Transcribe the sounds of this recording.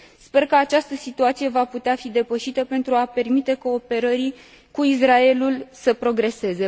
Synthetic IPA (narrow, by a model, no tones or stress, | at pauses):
spe̞rkəat͡ʃast̪əsit̪uat̪sije̞vaput̪eafid̪e̞pəʃit̪əpe̞nt̪ɾuape̞rmit̪e̞ko̞ːpe̞ɾəɾi | kuis̬rae̞lulsəpɾo̞ɡɾe̞se̞ze̞